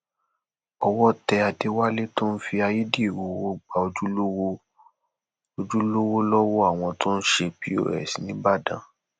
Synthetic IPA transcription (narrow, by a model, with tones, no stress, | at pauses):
ɔ˧wɔ˦tɛ˧a˧de˦wa˦le˦to˦n̩˦fi˧a˧ji˦di˦i˦˨wo˨wo˦ɡ͡ba˨o˧d͡ʒu˦lo˦wo˦ | o˧d͡ʒu˦lo˦wo˦lɔ˦wo˦a˦˨w̃ɔ̃˧to˦n̩˦ʃe˧pi˦o̰˦˨ɾɛ̰˨si˨nĩ˦ba˦˨dã̰˨˦